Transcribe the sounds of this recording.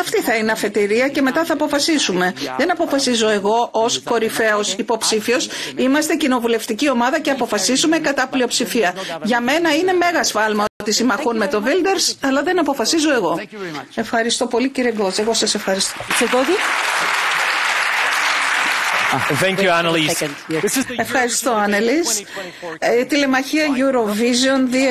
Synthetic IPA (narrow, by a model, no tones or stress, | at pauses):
ɐft̪iθɐineɐfe̞t̪iɾiɐce̞me̞t̪ɐθɐːpo̞fɐsisume̞ðe̞nɐpo̞fɐsizo̞e̞ɣo̞ʔosko̞ɾife̞o̞sipo̞psifio̞simɐst̪e̞cino̞vule̞ft̪icio̞mɐðɐceɐpo̞fɐsizume̞kɐt̪ɐplio̞psifiɐʝɐme̞nɐine̞me̞ɣɐsfɐlmɐot̪isimɐxunme̞t̪o̞vild̪e̞ɾsɐlɐðe̞nɐpo̞fɐsizo̞e̞ɣo̞e̞fxɐɾist̪o̞po̞liciɾieɡo̞zeɣo̞sɐse̞fxɐɾist̪oieɡozi | ɛ̃ŋkjuanli | e̞fxɐɾist̪oɐnelis | t̪ile̞mɐçiɐʝuɾo̞vizonði